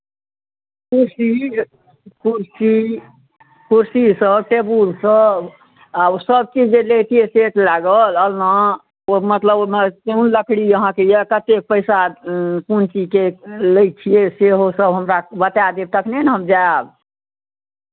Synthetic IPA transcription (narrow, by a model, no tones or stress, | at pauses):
kuɾsi | kuɾsi | kuɾsisə̃bʈebulsə̃ | absəb̚t͡ʃid͡ʒd͡ʒelet̪ʰijeset̪laɡələlna | omət̪ləbkeunləkʰɽijəɦãkejekət̪ek̚pəɪsakunt͡ʃikeləj̚t͡ʃʰijeseɦosəbɦəmɾabət̪ad̪et̪əkʰnenɦəmd͡ʒab